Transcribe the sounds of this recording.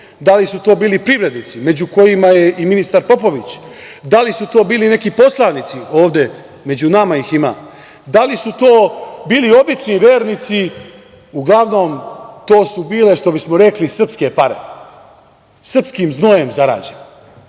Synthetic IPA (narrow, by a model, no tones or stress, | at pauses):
d̪alisut̪oːbiːlipɾiʋɾe̞d̪nit̪sime̞d͡ʑuko̞jimaje̞ʔiminist̪aɾpo̞po̞ʋit͡ɕd̪alisut̪o̞ːbiːline̞kipo̞slˠanit̪sio̞ːʋd̪e̞ | me̞d͡ʑunamaixima̰ː | d̪alisut̪o̞ːbiːlio̞bit͡ʃniʋe̞ːɾnit̪si | uɡlˠaʋnoːmt̪o̞ːsubiːle̞ʃt̪o̞bismo̞ɾe̞klisr̩pske̞paɾe̞̰ | sr̩pskimzno̞je̞mzaɾa̰ːd͡ʑen